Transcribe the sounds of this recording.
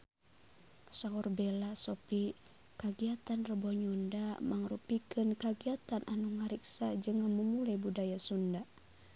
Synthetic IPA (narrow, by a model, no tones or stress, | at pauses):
saɔrbelasɔpi | kaɡiat̪anrəbɔɲundamaŋrupikɨnkaɡiat̪anʔanuŋaɾiksad͡ʒɨŋaməmulajbudajasunda